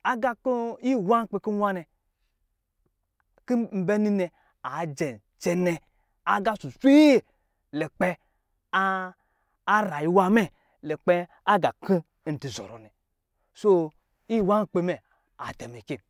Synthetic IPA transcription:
a˦ɡa˨ko˦i˦˨wa˦n˦k͡pe˨ki˦wʷa˦nɛ˨ | ki˦m̩˦be˦ni˦nɛ˨ | a˨d͡ʒe˨n˨t͡ʃɛ˦ne˨ | a˨ɡa˦su˨sʷi˦˨ | le˨k͡pe˦ | ɾa˨ji˨˦wa˦mɛ˦ | le˨k͡pɛ˦ | a˦ɡa˨ki˦˨ | n̩˨ti˨zo̰˨ɾo̰˨nɛ˨ | so˦ | i˦˨wa˦n˦k͡pe˨mɛ˨ | a̰˨dɛ˨me˨ke˦˨

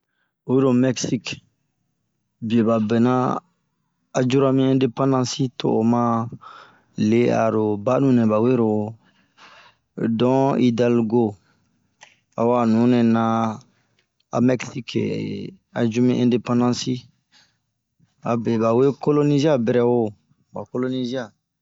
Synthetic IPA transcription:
o˨e˦ɾo˨mɛ˦ksi˦k | bi˨e˨ba˨bɛ˨na˦ | a˨d͡ʒu˦ɾa˦mĩ˦ɛ̃˦de˦pã˦ndã˦si˦tʰo̰˨o˨mã˦ | le˦a̰˨ɾo˨ba˦nũ˨nɛ̃˨ba˨we˦ɾo˨ | dɔ̃˨i˦da˦lɡo˦ | a˨wa˨nũ˨˦ne˨na˦ | a̰˨mɛ˦ksi˦kʰḛ˨ | a˨d͡ʒu˦mĩ˦ʔɛ̃de˦pã˦ndã˦si˦ | a˨be˨ba˨we˦ko˦lo˦ni˦zi˦a˦bɛ˦ɾɛ˦wo˦ | ba˨ko˦lo˦ni˦zi˦a˨

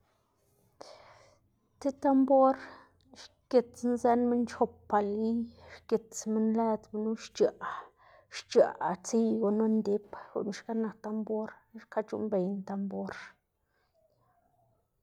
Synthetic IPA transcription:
t̪e˦t̪a˦mbo˦ɾ | ʃ | ke˨t͡snze˦nme˦nt͡ʃo˧pːa˨li˦ʃke˨t͡sme˦nle˦d̪bnu˦ʃt͡ʃa˨ʔ | ʃt͡ʃa̰˨t͡si˦jɡo˨no˦nd̪e˦pɡṵ˨ʔn˨ʃka˦na˨kt̪a˧mbo˦ɾʃka˦t͡ʃṵ˦mbe˨jnt̪a˧mbo˦ɾ

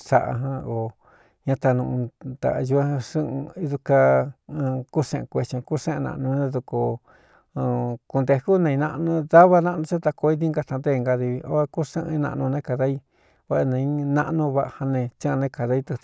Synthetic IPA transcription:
sa̰˧ʔa̰˧ɦã˧o˨ | ɲã˧t̪a˧nũ˧ʔt̪a̰˨˧ʒu˧a˦ã˧ʂɨ̃˦˧i˧˦ðu˧kã˧ | ku˦ʂḛ̃˧ʔẽ˧kʷe˧t͡ʃõ˧ku˦ʂẽ˦ẽ˧nã̰˧ʔnũ˧nẽ˧ðu˧ko˧ | ku˧nd̪e˧ku˦nẽ˧i˧nã˧ʔnũ˧ða˦βa˧nã˦ʔnũ˧t͡ʃa˦t̪a˧ko˧i˦t̪i˦ŋɡa˧t̪a˧nd̪e˦˨˧ŋɡa˧ði˧βi˧ʔo̰˧˦a˧ku˦ʂẽ˦˧nã̰˧ʔnũ˧nẽ˦ka˨ða˦i˦ | βa˦˧ʔa˧nã˧i˦nã˦ʔnũ˧βa˧ʔa˧ha˧nẽ˧t͡ʃã˦˧nẽ˦ka˨ða˧i˧t̪u˧

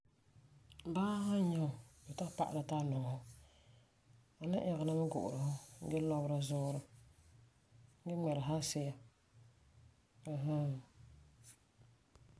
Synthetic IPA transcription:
baː˦ha˦ɲɛ˦ʊ˨bɛ˨ta˦pa̰˦ʔa̰˨ɾa˨ta˦nɔ˨hʊ˦ | a˨na˦ʔɛ˨ɣa˨na˦mɨ˦ɡʊ̰˨ʔʊ˨ɾɨ˨hʊ˦ɡɛ˦lɔ˦bɾa˦zʊː˦ɾʊ˦ | ɡɛ˦ŋ͡mɛ˨ɾa˨ɦa˦sɪ˦ja˦˨ | ɦa˦

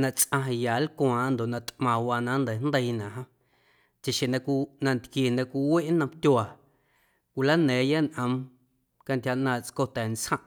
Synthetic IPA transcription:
nã˧t͡sʔã˧ɦjaː˨lkw̃ãː˨nd̪o˨ʔnã˧t̪mãː˨waː˧nã˦nd̪ə˨nd̪ə˧i˧nã˨ʔɦã˧ | t͡ʃe˨ʃẽ˨nã˧kʷnã˧nt̪kje˨nã˧kʷi˧we˦ʔnə̃˧mt̪ʲwa˨ | kʷi˧la˦nɛ̃ː˨˦ja˦nʔə̃˧m | ka˧nt̪ʲja˧ʔnãː˧˨t͡sko˧t̪ɛ˨nt͡shã˦ʔ

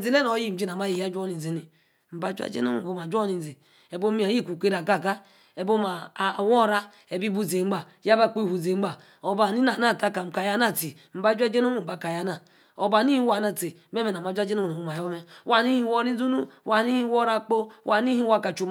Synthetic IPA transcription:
zi˨le˦no˨˦ji˦m̩˨d͡ʒi˦na˨ma˦ji˨ja˦d͡ʒo˦ni˨zi˨ni˨ | m̩˨ba˨˦d͡ʒu˦a̰˦d͡ʒḛ˦no̰˦mṵ˦˨o˦ma˨d͡ʒo˦ni˨n˨zi˨ | e˨bo˦mi˦a˨ji˦˨kʷu˨kʷe˦ɾa˨ka˦˨ka˦ | e˨bo˦ma˨wo˦ɾa˦ | e˨bi˦bu˦ze˨ŋ͡m̩˦a˨ | ja˦ba˦˨k͡po˦i˨hu˨ze˨ŋ͡m̩˦a˨ | o˨ba˨ni˦na˨na˦˨ka˦ka˨m̩˨ka˨ja˦na˦˨ti˨ | m̩˨˦ba˦d͡ʒʷa˦d͡ʒe˦no˦u˦˨m̩˨ba˨ka˨ja˦na˨ | o˨ba˨ni˦hi˦wa˨na˨ti˨˦e˦me˦˨n˨a˨ma˨˦d͡ʒʷa˦d͡ʒe˦no˦˨o˨o˨˦ma˨jo˦me˦wa˦˨ni˦hi˦wo˦ni˦u˦nu˦wa˨ni˦hi˦wo˦ɾa˦k͡po˦wʔa˨˦i˦hi˦wa˦˨ka˨t͡ʃo˨m

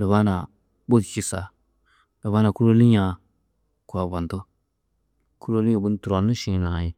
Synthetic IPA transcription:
lə˨βa˦na˨ | bo˦tt͡ʃi˨sa˨ | la˨βa˦na˨ku˦ɾo˦li˦ɲa˨ | ku˨a˨ba˨n˨to˦ | ku˦ɾo˦li˦o˨bu˦n˦tu˨ɾo˨nu˦ʃĩ˦˨na˨ji˨

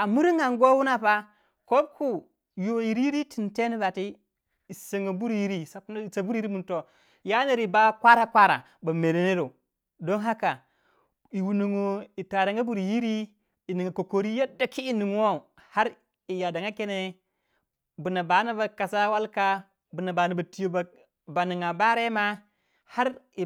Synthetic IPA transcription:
a˨mu˦ɾi˦ŋa˨ŋɡo˦wu˦na˦pa˦ | ko˦b̚ku˦ | jo˨ji˨ɾi˦ji˦ɾi˦ti˨nte˦ni˦ba˨ti˦ | i˨se˨ŋo˨bu˦ɾji˦ɾi˦˨sa˨˦˨sa˨bu˦ɾi˦ɾi˦mu˨to˨ | ja˦ne˦˨ɾi˨ba˦kʷa˦ɾa˦kʷa˦ɾa̰˨ | ba˨me˨ɾe˨ne˦ɾo˨ | do˦nɦa˦ka˨ | i˨wu˨nu˨ŋo˨i˨ta˨ɾa˨ŋɡa˦bu˦˨ɾji˦ɾi˦ | i˨ni˨ŋa˨ko˨ko˨ɾi˦ja˦da˨ki˦i˦ni˨ŋ˦wo˦˨ | ha˦ɾ | i˨ja˨da˨ŋa˦ke˦ne˦ | bu˨na˨ba˨˦na˦ba˨ka˨sa˦wa˦lka˦ | bu˨na˨ba˨na˨ba˨ti˦jo˦ba˨ | ba˨ni˨ŋa˨ba˦ɾe˦ma˦ | ha˦ɾi˨

